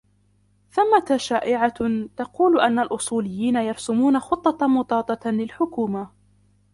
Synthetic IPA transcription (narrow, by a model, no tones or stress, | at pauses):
θʊmːat̪aʃaːʔɪʕat̪ɑquːlʔanːalʔʊsˤuːlɪjːiːnajɑɾsʊmuːnaxʊt̪ˤːɑt̪mʊt̪ˤɑːt̪ˤɑlɪlħʊkuːma